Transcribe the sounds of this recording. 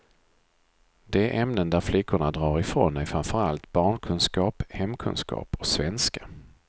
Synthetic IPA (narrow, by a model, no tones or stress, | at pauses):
d̪̥ɛæɾʔɛmnənd̪æɾflʏkːʊɳad̪ɾɑːɾɪfɾo̰næfɾamfœɾalt̪bɑːɳkʰɵnskɑːphɛmkʰɵ̰nskɑ̰ːpɔ̥svɛnska